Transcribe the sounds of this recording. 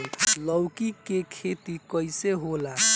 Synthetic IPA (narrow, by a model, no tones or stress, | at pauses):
ləwkikekʰet̪ikəjseɦola